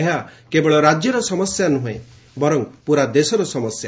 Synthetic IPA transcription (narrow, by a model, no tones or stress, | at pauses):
ɦakebɔɭɔɾad͡ʒjɔɾɔsɔmɔsjanuɦãẽ | bɔɾɔŋpuɾad̪esɔɾɔsɔmɔsja